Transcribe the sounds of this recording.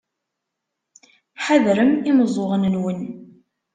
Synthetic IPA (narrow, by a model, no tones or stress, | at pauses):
ħaðɾəmiməzˤoʁənənwən